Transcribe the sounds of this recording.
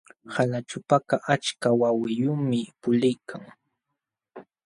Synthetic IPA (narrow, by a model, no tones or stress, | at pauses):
halat͡ʃʊpakaʔat͡ʃkawawɪjʊmɪpʊlɪjkʰaŋ